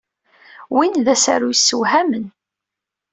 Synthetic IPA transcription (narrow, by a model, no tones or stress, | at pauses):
winðæsa̰ɾujəsːəwhæmən